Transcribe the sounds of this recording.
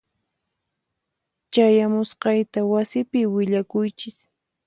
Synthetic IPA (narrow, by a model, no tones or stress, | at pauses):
t͡ʃajamʊsqɑjt̪awasɪpɪwɪʎakʊjt͡ʃɪs